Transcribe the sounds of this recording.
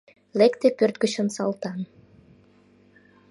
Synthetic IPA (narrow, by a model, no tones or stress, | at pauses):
lekt̪epørt̪̚ɡət͡ɕənsɑlt̪ɑn